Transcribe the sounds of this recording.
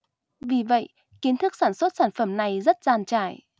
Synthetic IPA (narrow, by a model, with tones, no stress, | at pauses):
vi˨˩və̰˧˨jʔ | ki˨˦nt̪ʰɨ˦˥k̚saː˧˩nswə˦˥t̚saː˧˩nfə˧˩mna˨˩jzə˦˥t̚zaː˨˧nt͡ɕaː˧˩j